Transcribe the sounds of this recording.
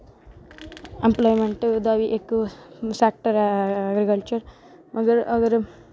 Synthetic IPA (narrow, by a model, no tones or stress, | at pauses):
emplɔːjmeɳʈd̪aʋiʔekːuʋɐsek̚ʈɐɾaɡɾikɐlt͡ʃɐɾ | mʔɐɡɐɾʔɐɡɐɾ